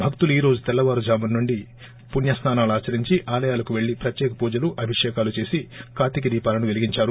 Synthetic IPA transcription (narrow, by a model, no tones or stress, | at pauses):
bʱɐk̚t̪uluiːɾo̞ːd͡ʒut̪ɛlːɐʋaːɾud͡ʒaːmɐnnːuɳɖi | punjɐst̪ʰaːnaːluaːt͡ʃɐɾiɲt͡ʃiʔaːlɐjaːlɐkuʋe̞ɭːipɾɐt̪jɛːkɐpuːd͡ʒɐluʔɐbʱiʂɛːkaːlut͡ʃe̞ːsikaːt̪ik̬id̪iːpaːlɐnuʋeliɡiɲt͡ʃaːɾu